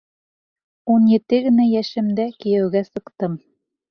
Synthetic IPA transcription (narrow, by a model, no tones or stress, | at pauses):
unjɘ̆t̪ɘɡɘ̆næjæʃɘ̆md̪ækĭjæwɡæsɤ̆qt̪ɤm